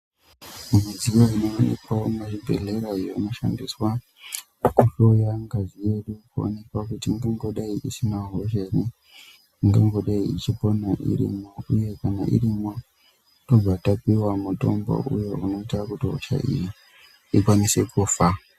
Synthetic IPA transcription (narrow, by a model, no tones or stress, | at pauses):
mid͡zijoinoːnḛkwaomaʐibʱe̞̰ɮeɾajonoʃa̰ndiswa | kuɬo̞jaŋɡaʐie̞ɗukuo̰ne̞kwakutiŋɡeŋɡoɗaiʔisinaɦoʒeni | ŋɡeŋɡo̞ɗaiit͡ʃipo̞naʔḭɾḭmo̞uje̞kanaʔḭrimo̞ | to̞b͡vatapiwamuto̞̰mbo̞̰ʔujo̞uno̞itakutiɦo̰t͡ʃa̰ʔḭji | ikwanisekufa